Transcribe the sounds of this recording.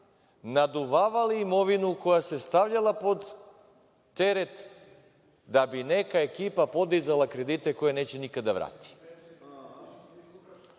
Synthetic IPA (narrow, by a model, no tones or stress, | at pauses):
nad̪uvaʋaliːmovinukojasɛst̪avʎalˠapod̪ː | ɛɾɛt̪ | d̪abinɛkaekipapod̪izalˠakɾɛd̪it̪ɛkojanɛt͡ɕɛnikad̪avɾa̰t̪i̥